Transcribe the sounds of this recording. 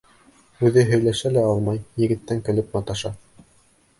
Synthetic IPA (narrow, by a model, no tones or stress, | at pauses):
ʉðɘɦɵ̆jlæʃælæɑlˠmɑjjɘ̆ɡɘ̆t̪ːæŋkɘ̆lɘp̚nɑt̪ɑʃɑ